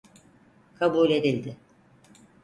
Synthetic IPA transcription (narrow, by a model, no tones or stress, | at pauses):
kʰabuːlʲe̞d̪ilʲd̪ɪ